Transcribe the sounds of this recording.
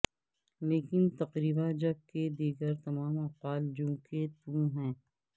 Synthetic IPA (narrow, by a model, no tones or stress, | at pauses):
leːkɪnt̪ɐqɾiːbad͡ʒɐb̚ked̪iːɡəɾt̪ɐmaːmɐqwaːld͡ʒũːket̪ũɦɛ̃ː